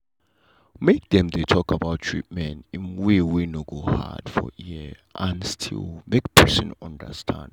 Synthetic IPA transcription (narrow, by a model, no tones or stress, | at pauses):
mek̚dɛ̃mdetʰɔkabawtːʰɹ̥ḭt̚mɛ̃ntĩnwiwinoɡoha̰d̥fɔ̰jiʔãnstʰḭlmekpʰɛsɔ̰̃nɔ̃ndə̰stʰã̰nd